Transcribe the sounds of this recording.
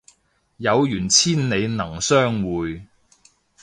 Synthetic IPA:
jɐ˨˧wjyː˨˩nt͡sʰiː˥nne˨˧jnɐ˨˩ŋsœː˥ŋwuː˨˧j

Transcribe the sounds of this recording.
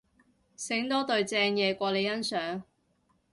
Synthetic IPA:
sɪ˨˥ŋt̪ɔː˥t̪ɵ˨˧ɥt͡sɛː˧ŋjɛː˨˧kʷɔː˧le˨˧jɐ˥nsœː˨˥ŋ

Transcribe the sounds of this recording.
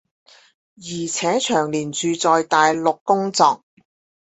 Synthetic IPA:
jiː˨˩t͡sʰɛː˨˥t͡ʃʰœː˨˩ŋliː˨˩nt͡ʃyː˨t͡sɔː˨jt̪aː˨jlʊ˨kːʊ˥ŋt͡sɔː˨˧k̚

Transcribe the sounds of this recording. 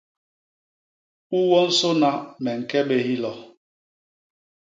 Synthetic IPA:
u˦wɔ˦n̩˦sʊ˦na˦mɛ˨ŋ̩˨kɛ˦ɓe˨hi˦lɔ˨

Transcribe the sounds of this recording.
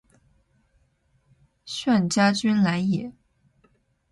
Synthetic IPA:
ɕɥa˥˩nt͡ɕja˥t͡ɕy˥nla˧˥njɛ˨˩˦

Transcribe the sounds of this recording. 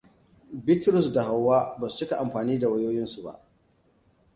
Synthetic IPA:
bɪ˦tɾʊ˦˨sda˨ɦa˨wːaː˦ba˨st͡ʃɪ˦ka˨ʔa˨mɸaː˨niː˦da˨wɐ˦joː˦jɪ˦nsu˨ba̰˦ʔ

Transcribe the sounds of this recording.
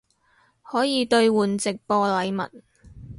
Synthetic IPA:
hɔː˨˥jiː˨˧t̪ɵ˧ɥwuː˨˩nt͡sɪ˨k̚pɔː˧lɐ˨˧jmɐ̰˨˩t̚

